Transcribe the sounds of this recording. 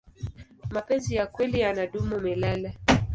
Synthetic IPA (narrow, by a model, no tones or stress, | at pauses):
mapɛnzijakwɛlijanaɗumumɛlala